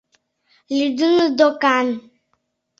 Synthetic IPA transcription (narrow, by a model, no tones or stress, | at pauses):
lidunudokan̩